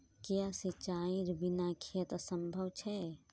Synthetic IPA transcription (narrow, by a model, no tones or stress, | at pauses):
kijasit͡ʃaːĩɾbinakʰijət̪ɐsəmbʱɐwt͡ʃʰɛ